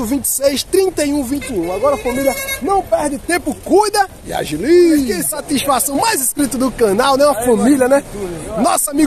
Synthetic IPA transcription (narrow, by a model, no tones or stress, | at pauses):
ʊvĩnt͡ʃ̪ɪ̥sejst̪ɾĩnt̪ejũvĩnt̪ɪũaɡɔɾɐfɐ̃milʲjɐnɐ̃w̃pɛɾd̪ɪt̪ẽpʊkujd̪ɐ | ia̰ʒilikesat̪isfasɐ̃w̃majziskɾit̪ɐd̪ʊkɐ̃nawnɛũɐfɐ̃milɐnɛnɔsamiɡ